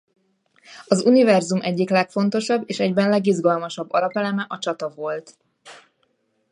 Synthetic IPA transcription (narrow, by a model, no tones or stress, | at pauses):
ɒzunivɛrzumʔɛɟːiklɛkfo̞n̪t̪o̞ʃɒbːeːʃɛɟbɛnlɛɡiʒɡɒlmɒʃɒbːɒlɒpɛlɛmɛʔɒt͡ʃɒt̪ɒvo̞lt̪